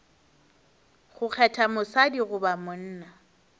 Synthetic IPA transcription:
χʊk͡xʰɛtʰamʊsadiɣʊbamʊn̩ːna

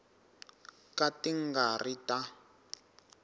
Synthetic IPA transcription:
katiŋɡarita

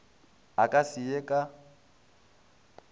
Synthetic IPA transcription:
akʼasɪjekʼa

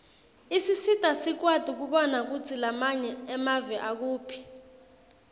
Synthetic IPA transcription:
isisitʼasik̬wad̥ʱik̬uɓɔnak̬ut͡sʰilamaɲɛɛmavɛʔak̬uːpʰi̥

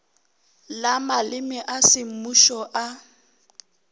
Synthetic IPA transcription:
lamalɪmɪʔasɪm̩muʃɔʔa

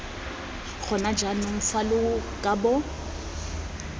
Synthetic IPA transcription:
χʰʊnad͡ʒanʊŋ̩falʊkʼabɔ

